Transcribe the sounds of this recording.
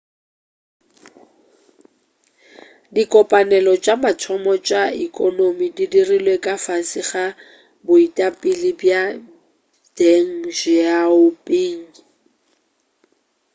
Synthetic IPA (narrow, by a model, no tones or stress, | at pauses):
dikʼɔpʼanɛlɔt͡ʃʼamat͡sʰɔmɔt͡ʃʼaikʼɔnomididirilwekʼafasɪχa | bʊitʼapʼɪlɪbja | d̥eŋ̩d͡ʒɪaʊpʼiːŋ̩